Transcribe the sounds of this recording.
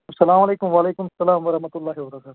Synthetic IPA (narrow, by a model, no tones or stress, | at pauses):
sɐlaːmɐleːkʊmʋaːleːkʊmɐsːɐlaːmʋɐɾɐhmɐt̪ʊlːaːɦiʋɐɾɐkaːt̪